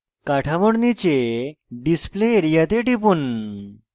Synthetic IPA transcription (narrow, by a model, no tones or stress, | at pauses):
kaʈʰamoɽnit͡ɕeɖispleːɾijat̪eʈipuːn